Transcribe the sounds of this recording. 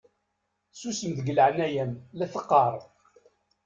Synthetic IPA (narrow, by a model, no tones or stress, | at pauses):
susəmd̪əɡələʕnæjænlæθəqːɑɾˤ